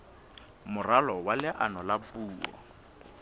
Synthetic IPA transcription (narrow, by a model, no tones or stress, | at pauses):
mʊralɔwalɪʔanɔlapuːɔ̰